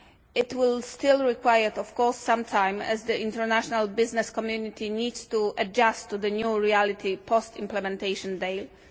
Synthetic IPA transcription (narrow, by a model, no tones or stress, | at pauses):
ɪtwɪlstɪlɹikwajəɹt̪ɔfkɔɹsːãmt̪ʰãj̃mɛ̰zd̪əʔĩntɛɹnaʃɔnalbɪznɛskɔmjunit̪ʰinid̪stuʔad͡ʒast̪ːud̪ənjuɹialit̪ʰipʰɔstĩmplɛmɛ̃nteɪʃɔ̃ndeɪl